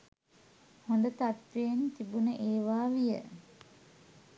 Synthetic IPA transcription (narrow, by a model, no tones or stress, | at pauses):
hond̪ət̪at̪ʋejnt̪ibunəʔeːʋaːʋijə̰